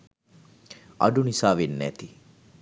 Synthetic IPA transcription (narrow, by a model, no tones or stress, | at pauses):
ʔɐ̰ɖunisaːʋenːæ̰t̪i